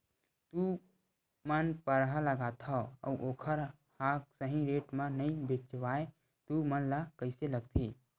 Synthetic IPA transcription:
t̪u | mənpəɾɦaləɡat̪ʰaə̰ʔoːkʰəɾ | haːksəɦĩɾeːʈmãnɐĩbet͡ʃwaːe | t̪umənlakəɪseləɡ̚t̪ʰiː

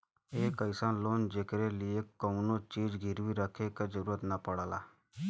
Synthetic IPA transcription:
eːkəɪsaːnloːnd͡ʒeːkɾelɪekːəunot͡ʃiːd͡ʒɡʱɪɾʋiɾəkʰeked͡ʒəɾuːɾət̪napəɽaːla̰ː

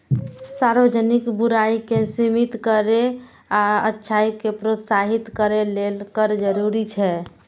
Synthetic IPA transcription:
saɾbəd͡ʒənikbuɾaikesimit̪kəɾe | aətːʃʰaikepɾot̪saɦit̪kəɾelelkəɾd͡ʒəɾuɾit͡ʃʰɛ

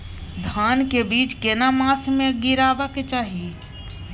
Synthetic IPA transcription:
d̪ʱaːnkebiːt͡ʃkenamaːsmẽɡɪɾaːʋaket͡ʃaːɦi

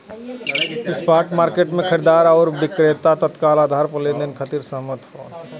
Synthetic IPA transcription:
ɪspʰaːɾʈmaːɾkeːʈmẽkʰəɾid̪aːɾɔːɾbɪkɾet̪at̪ət̪kaːlaːd̪ʱaːɾpəleːnd̪ənkʰət̪iːɾsəɦmət̪ɦoː

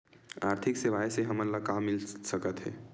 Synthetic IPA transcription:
aɾt̪ʰikseʋajseɦəmənlakamːilsəkət̪ɦɛ̰

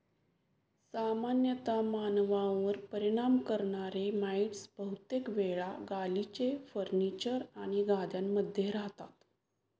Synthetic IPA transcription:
samanjət̪amanʋãʋəɾpəɾiɽ̃amkəɾɳaɾemaiʈsbəɦut̪jekʋeɭaɡalit͡ɕefəɾnit͡ɕəɾaɽ̃iɡʱad̪jamːəd̪ʱːjeɾaɦt̪at̪

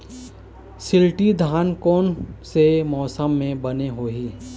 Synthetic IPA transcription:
sɪlʈid̪ʱaːnkɔːnsemɔːsəmːẽbɐneɦoːɦiː

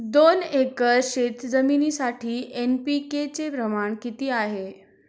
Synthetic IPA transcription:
d̪onekəɕet̪d͡zəminisaʈʰiːʔenpiket͡sepɾəmaɳkit̪iːaɦe

